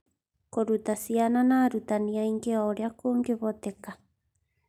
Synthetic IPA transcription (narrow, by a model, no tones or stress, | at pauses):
koɾut̪asiananaɾut̪aniaiŋkeaoɾeakoŋɡeβot̪eka